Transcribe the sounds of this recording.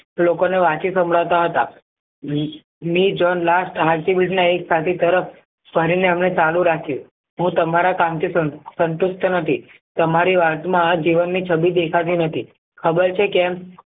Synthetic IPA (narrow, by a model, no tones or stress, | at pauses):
lokoneʋat͡ʃisə̃mbɽawt̪aɦət̪a | mid͡ʒɔnlasʈɦaɾʈ̪ibilʈnaeksat̪ʰit̪əɾəf | pəɾineəmnet͡ʃalũɾakʰjũ | ɦũt̪əmaɾakamt̪ʰissənt̪ust̪ʰnət̪ʰi | t̪əmaɾiʋat̪mãd͡ʒiʋənːit͡ʃʰəbid̪ekʰat̪jĩnət̪ʰi | kʰəbəɾt͡ʃʰekɛm